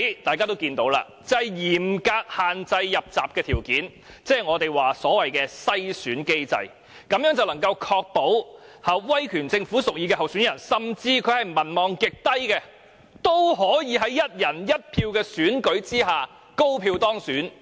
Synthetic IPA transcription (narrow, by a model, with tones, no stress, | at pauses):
t̪aː˨jkaː˥t̪o˥wkiː˧nt̪o˨˥wla̰ː˧ | t͡sɐ˥jjiː˨˩mkaː˧k̚haː˨nt͡sɐ˧jːɐ˨p̚t͡sa̰ː˨p̚kɛː˧t̪ʰiː˨˩wkiː˨˥n | t͡sɛː˥˩ŋɔː˨˧t̪e˨jwaː˨sɔː˨˥wɐ˨jkɛː˧sɐ˥jsyː˨˥nke˥jt͡sɐ̰˧j | kɐ˨˧mjœː˨˥ŋt͡sɐ˨wlɐ˨˩ŋkɐ˧wkʰɔː˧k̚po˨˥whɐ˨p̚wɐ˥jkʰyː˨˩nt͡sɪ˧ŋfuː˨˥sʊ˨k̚jiː˧kɛː˧ɦɐ˨wsyː˨˥njɐ˨˩nsɐ˨mt͡siː˧kʰɵ˨˧˥hɐ˨˩jmɐ˨˩nmɔː˨˩ŋkɪ˨k̚t̪ɐ˥jkɛː˧ | t̪o˥wɦɔː˨˥jiː˨˧ɦɐ˨˥jjɐ˥t̚jɐ˨˩njɐ˥t̚pʰiː˧wkɛː˧syː˨˥nkɵ˨˥ɥt͡siː˥ɦaː˨ | ko˥wpʰiː˧wt̪ɔː˥ŋsyː˨˥n